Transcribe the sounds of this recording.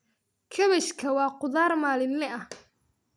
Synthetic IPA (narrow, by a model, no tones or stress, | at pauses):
kʰɐβɛʃkʰɐwɑːqʊðaːrmaːlɪnlɛʔɐh